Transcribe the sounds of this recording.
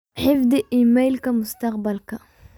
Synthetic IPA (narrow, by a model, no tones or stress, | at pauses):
ħɪfd̪iʔiːmajlkamʊst̪aqbalka